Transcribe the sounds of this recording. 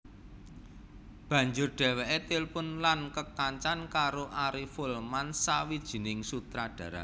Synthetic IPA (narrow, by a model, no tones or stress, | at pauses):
b̥ä̤ɲd͡ʒʊrɖ̥ɛ̤wɛʔet̪ɪlpʊnlankək̚t̪aɲt͡ʃankaɾoʔaɾifʊlmansawid̥ʒ̥i̤nɪŋsut̪ɾaɖ̥ä̤ɾa̰